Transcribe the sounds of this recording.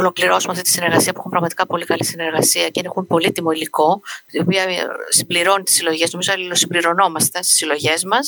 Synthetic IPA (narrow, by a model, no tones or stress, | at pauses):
olo̞kliɾo̞sumeɐft̪it̪isine̞ɾɣɐsiɐpuexumpɾɐɣmɐt̪i̥kɐpo̞likɐlisine̞ɾɣɐsiɐceinexumpo̞lit̪imo̞iliko̞t̪io̞piɐsimbliɾo̞nit̪i̥silo̞ʝe̞zno̞mizoɐlilosimbliɾo̞no̞mɐst̪e̞st̪i̥silo̞ʝe̞zmɐs